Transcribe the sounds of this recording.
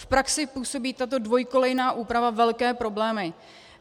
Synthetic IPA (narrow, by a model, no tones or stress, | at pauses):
fpɾaksɪpuːso̞biːt̪at̪o̞dvo̞jko̞lɛjnaːʔuːpɾavavɛlkɛːpɾo̞blɛːmɪ